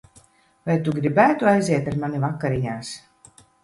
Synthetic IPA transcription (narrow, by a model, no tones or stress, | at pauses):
vajt̪uɡɾibæːt̪uajziɛt̪aɾmanivakːaɾiɲaːs